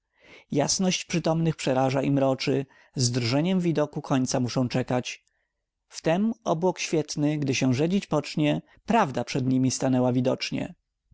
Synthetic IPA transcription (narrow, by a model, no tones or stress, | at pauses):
jasnɔɕt͡ɕpʂɘt̪ɔmnɘxpʂɛɾaʐaʔimɾɔt͡ʂɘ | zd̪ɾʐɛɲɛmvʲid̪ɔkukʰɔɲʲt̪samuʂɔ̃w̃t͡ʂɛkat͡ɕ | ft̪ɛmɔbwɔkɕfʲjɛt̪nɘɡd̪ɘɕɛ̃ʐɛd͡ʑit͡ɕpɔt͡ʂɲɛ | pɾavd̪apʂɛd̪ɲimʲist̪anɛwavʲid̪ɔt͡ʂɲɛ̰